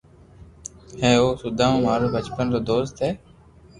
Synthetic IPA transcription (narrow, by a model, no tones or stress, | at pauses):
hẽːoːsʊd̪ʱãːũːmaːɾõːbʱət͡ʃpənt̪oːd̪oːst̪eː